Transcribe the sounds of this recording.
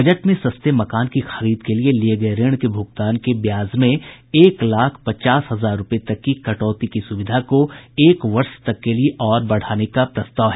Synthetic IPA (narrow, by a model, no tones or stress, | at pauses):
bɐd͡ʒəʈmẽsɐst̪emɐkaːnkixɐɾiːd̪kelielieɡɐeɾɪɽ̃kebʱʊɡt̪aːnkebjaːzmẽeːklaːkʰpɐt͡ʃaːsɦɐzaːɾːʊpet̪ɐkːikɐʈɔːt̪ikisʊʋɪd̪ʱakoeːkʋɐɾʃt̪ɐkːelieʔɔːɾbɐɽ̤aːnekapɾɐst̪aːʋɦɛː